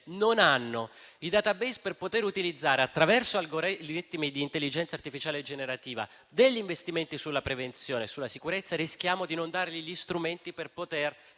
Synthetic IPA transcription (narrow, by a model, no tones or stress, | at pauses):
nonanːoid̪at̪abejsperpot̪eɾut̪ilid̪zːaːɾeat̪ːɾavɛrsoalɡoɾiit̪ːmid̪iːnt̪elːid͡ʒɛnt̪sart̪ifit͡ʃaːled͡ʒːeneɾat̪iːva̰ | d̪eʎːiɱvest̪iment̪isulːapɾevent̪sjoːnesulːasikuɾet̪sːarisk̟jaːmod̪inond̪aːɾeliʎist̪ɾument̪iperpot̪er